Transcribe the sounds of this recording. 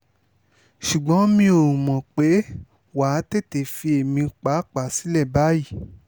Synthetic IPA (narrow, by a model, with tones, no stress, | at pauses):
ʃu˨ɡ͡bɔ̃˨˦mĩ˧o˨ũ˨mɔ̃˨k͡pe˨˦ | wa˨˦te˦˨te˨fi˧e˨mĩ˧k͡pa˨˦k͡pa˨si˨˦lɛ˦˨ba˨˦ji˦˨